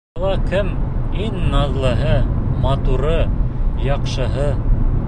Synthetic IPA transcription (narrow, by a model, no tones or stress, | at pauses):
lˠɑkɘmiŋnɑðlˠɤ̆ɦɤmɑt̪uɾɤjɑqʃɤ̆ɦɤ